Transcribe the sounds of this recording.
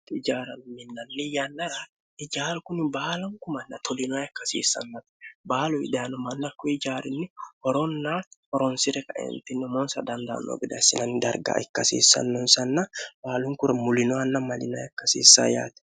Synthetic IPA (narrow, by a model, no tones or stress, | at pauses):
ɪd͡ʒaːɾɐnʊmɪnːɐnːɪjanːɐɾa | ɪd͡ʒaːlkʊnɪbaːlɐŋkʊmɐnːɐt̪ʰɔlɪnaːjɐkːɐsḭːsːɐ̰nːɐt̪ɛ̥baːlʊɪ̰d̪aːnʊmɐnːɐkːɔɪd͡ʒaːɾɪnːɪhɔɾɔnːaːhɔɾɔnsɪɾɛkɐʔɛ̰nt̪ɪnːɪmɔnsɐd̪ɐnd̪a̰ːnːo̰bɪd̪ɐ̰sɪnɐnd̪ɐ̰ɾɡa̰ːɛkːɐsḭːsːɐ̰nːɔnsɐnːɐbaːlʊŋkʊɾmʊlɪnɔanːɐmɐlɪna̰ːjɐkːɐsḭːsːa̰ːja̰ːt̪ɛ̥